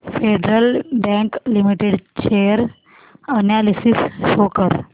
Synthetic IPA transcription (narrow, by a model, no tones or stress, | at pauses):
feɖɾəlbɛ̃ŋklimiʈeɽt͡ɕejəɾ | ənjalisisɕokəɾ